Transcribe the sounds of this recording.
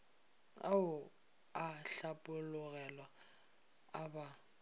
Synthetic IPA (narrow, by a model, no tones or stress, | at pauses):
a̰ʊ | aɬapʼʊlʊɣɛlwaː | ba